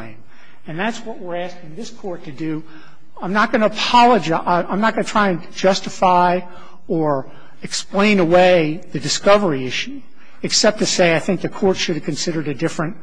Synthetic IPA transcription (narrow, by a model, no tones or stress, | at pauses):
ɪ̃m | ɨ̃nðætswʌʔ̚wɪɹæskɪ̃ŋðɪskʰɔɹtʰɨdʉ | ãɪ̃mnət̚ɡ̥ʌnəːpʰɑlˠəd͡ʒaʔãɪ̃mnət̚ɡ̥ʌnɨtʰɹ̥aɪɨ̃n | d͡ʒʌstɨfaɪ | ə˞ | ɨksplẽɪ̃nəweɪðɨdɨskʌvə˞iɪʃʉ | ɨksɛp̚tʰɨseɪaɪθɪ̃ŋk̚ðɨkʰɔɹtʃɨɾɨv̥kʰɨ̃nsɪɾə˞ɾɨdɪfɹɨ̃nt̚